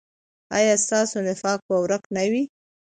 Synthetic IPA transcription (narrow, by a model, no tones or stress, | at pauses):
ɑ̰jɑst̪ɑsonɪfɑk̚pəwɾəknawi